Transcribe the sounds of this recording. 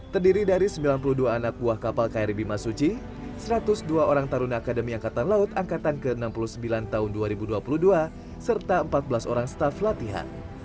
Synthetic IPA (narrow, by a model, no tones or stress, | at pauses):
t̪ərdiɾidaɾisəmbilanpuluhduaːnak̚buahkapalkaiɾibimasut͡ʃi | səɾat̪ʊsduaoɾaŋt̪aɾunaːkadəmiaŋkat̪anlaʊt̪aŋkat̪ankəənampulusəmbilant̪aɦʊnduaɾibuduapuluhdua | sərt̪aəmpat̪̚bəlasoɾaŋsə̥t̪aflat̪iɦa̰n